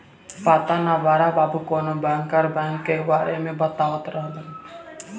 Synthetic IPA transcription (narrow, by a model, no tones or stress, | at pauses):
pat̪anaʋaɾababukonobʱaŋkaɾbaŋkːewaɾemẽbət̪awət̪ɾaɦd̪ən